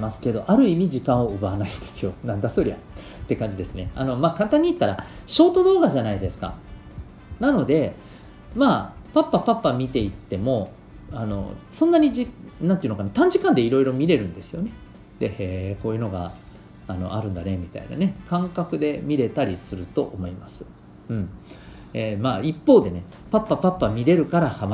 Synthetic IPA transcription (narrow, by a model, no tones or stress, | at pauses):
masɨ̥ke̞d̪o̞ʔaɾɯ̟imʲid͡ʑikãɰ̃o̞ɯ̟banaĩnd̪e̞sɨjo̞nãnd̪asɨɾʲia̰ | t̪ːe̞kãɲ̟d͡ʑid̪e̞sɨne̞a̰no̞maːkãnt̪ãɲ̟ːit̪ːaɾaɕo̞ːt̪o̞d̪o̞ːɡaʑanaid̪e̞sɨ̥ka̰ | nano̞d̪e̞ | maːpapːapapːamʲit̪e̞it̪ːe̞mo̞ | ano̞̰sõ̞nːaɲ̟iʑinãnt̪eiɯ̟nokanat̪ãɲ̟d͡ʑikãnd̪e̞iɾo̞iɾo̞mʲiɾe̞ɾɯ̟̃nd̪e̞sɨjo̞ne̞ | d̪eheːko̞ːjɯ̟no̞ɡa̰ | ano̞̰ʔaɾɯ̟̃nd̪ane̞mʲit̪a̰ḭna̰ne̞kãŋkakɯ̟d̪e̞mʲiɾe̞t̪aɾʲisɨɾɯ̟t̪o̞̰ʔomo̞imasɨ̥ | ɯ̟̃ɴ | emaːipːo̞ːd̪e̞ne̞ | papːapapːamʲiɾe̞ɾɯ̟kaɾahama